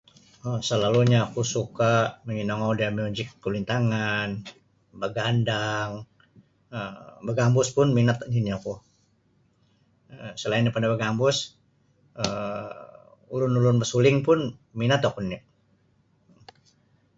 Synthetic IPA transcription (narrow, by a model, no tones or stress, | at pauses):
əsəlaluɲaːkusukaməŋinɔŋadiamiud͡ʒɪkːəlint̪aŋan | bəɡandaŋ | əbəɡambʊspʊnminat̪niniaku | əsəlaɪndipadabəɡambʊs | ə | ulʊnulʊnbəsulɪŋpʊnminat̪akunniʔ